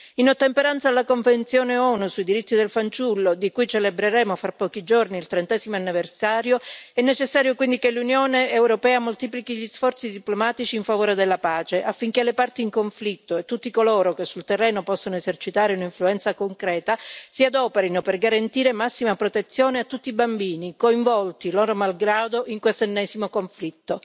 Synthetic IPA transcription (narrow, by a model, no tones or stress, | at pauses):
inot̪ːempeɾant̪salːakoɱvent̪sjoːneɔnusuid̪iɾit̪ːid̪elfant͡ʃulːod̪ikujt͡ʃelebɾeɾɛːmofɾapːɔːkid͡ʒorniːlt̪ɾent̪ɛzimoanːiversaːɾjoɛnːet͡ʃesːaːɾjokwind̪ikelunjoːneːwɾopɛːamolt̪iːplikiʎisfɔrt̪sid̪iplomaːt̪it͡ʃiːɱfavoːɾed̪elːapaːt͡ʃeʔafːiŋk̟elːepart̪iːŋkoɱflit̪ːoet̪ːut̪ːikoloːɾokesːult̪erːɛːnopɔsːonoezert͡ʃit̪aːɾeunaiɱfluɛnt̪sakoŋkɾɛːt̪asiad̪ɔːpeɾinoperɡaɾant̪iːɾemasːimapɾot̪et̪sːjoːneat̪ːut̪ːibambiːnikoiɱvɔlt̪iloːɾomalɡɾaːd̪oʔiŋkwest̪enːɛːzimokoɱflit̪ːo